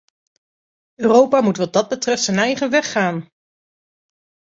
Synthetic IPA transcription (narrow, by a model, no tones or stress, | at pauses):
øːrowpaːmutʋɑd̚dɑd̚bətrɛftsəjnɛjχəʋɛχːaːn